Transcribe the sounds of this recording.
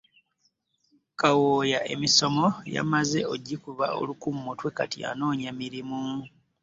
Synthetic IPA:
kawoːjaʔe̞̰miso̞mo̞ja̰maze̞o̞ɟːikuβao̞̰lukumːotwe̞katia̰no̞ːɲemiɾimu

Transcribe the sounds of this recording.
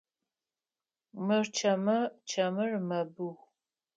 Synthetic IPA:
mɨrt͡ʃʰɐmɐt͡ʃʰɐmɨrmɐbɨx

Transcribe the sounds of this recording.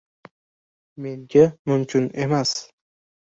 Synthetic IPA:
me̞ŋɡʲamʊmkʲʰʊne̞mas

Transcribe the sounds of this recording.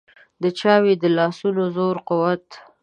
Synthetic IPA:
d̪ət͡ʃɑwed̪əlɑsunozoɾqʊwat̪

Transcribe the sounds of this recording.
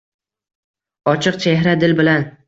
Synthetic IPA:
ɒt͡ʃʰɨqt͡ʃʰeɦɾad̪ɪlbɪlan

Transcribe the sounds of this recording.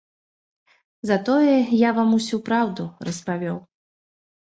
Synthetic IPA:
zɐt̪ɔjɛjavamusʲupɾawd̪urɐspavʲɔw

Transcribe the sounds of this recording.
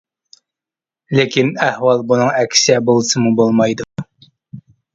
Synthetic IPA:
lekʲinæhwɑlˠbunɨŋɛkʲʰsɛbolˠɨsɨmubolˠmɑjd̪u

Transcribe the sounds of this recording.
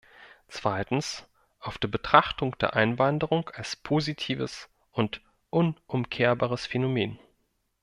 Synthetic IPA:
t͡sv̥aɪtn̩s | ʔaʊfd̥eːɐbətʁ̥aχtʊŋd̥ḛːɐʔaɪnvandəʁʊŋkalspʰoːzitʰiːvəs | ʔʊnt | ʔʊnʔʊmkʰeːɐbaːʁəsfenomeːn

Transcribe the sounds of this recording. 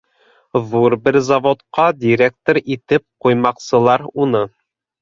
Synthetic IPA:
ðuɾbɘɾzɐvot̪qɑd̪ʲiɾʲek̚t̪oɾit̪ɘp̚qujmɑqsɤ̆lˠɑɾunɤ

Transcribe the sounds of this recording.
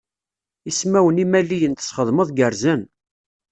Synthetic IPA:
ismæwənimælːijənt̪ə̥sχəðˤməðˤɡəɾzən

